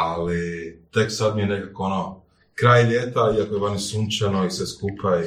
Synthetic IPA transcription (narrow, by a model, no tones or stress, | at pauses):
alit̪e̞ksad̪mijenekakoono | kɾaːjʎeːt̪aiakojeʋanisuːnt͡ʃanoiseskupʰa